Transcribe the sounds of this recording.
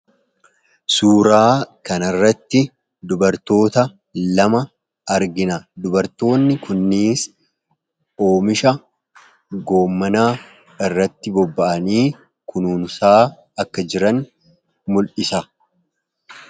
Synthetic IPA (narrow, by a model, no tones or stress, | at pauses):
suːɾaːkɐnɐrːɐt̪ːɪ | d̪ʊbɐɾt̪o̞ːt̪ɐ | lɐmɐ | ɐɾɡɪnɐd̪ʊbɐɾt̪o̞ːnːɪkʊnːiːs | o̞ːmɪʃɐ | ɡo̞ːmːɐnaː | ɪrːɐt̪ːɪbɔbːɐʔɐniː | kʊnuːnʊsaː | ɐkːɐd͡ʒɪɾɐn | mʊlʔɪsɐ